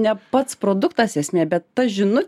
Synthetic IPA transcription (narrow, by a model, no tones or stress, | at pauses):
nʲɛpɐt̪spɾoːd̪ʊkt̪ɑsɛsʲmʲeːbʲɛt̪ːɐʒʲɪnʊ